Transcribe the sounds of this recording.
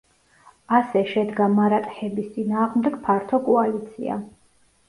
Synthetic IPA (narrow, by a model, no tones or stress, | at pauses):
asɛʃɛd̪ɡamaɾat̪ʼhɛbist̪sʼinaːʁmd̪ɛɡ̥pʰaɾt̪ʰɔkʼɔalit̪sʰḭa̰